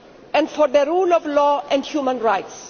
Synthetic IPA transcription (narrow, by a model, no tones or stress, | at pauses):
ɛ̃nɖfɔɾd̪əɾuːlɔvlɔːɛ̃nɖhjuːmə̃nɹajts